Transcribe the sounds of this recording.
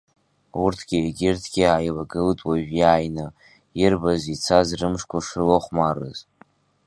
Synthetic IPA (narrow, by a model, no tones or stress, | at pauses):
urtʰɡʲieɡʲɪrtʰɡ̥ʲiaːjlaɡɨltʼwaʒᶣjaːjnɨ | ɪrbazit͡sʰazrɨmʂkʷʰaʂrɨloχʷmarɨ̰z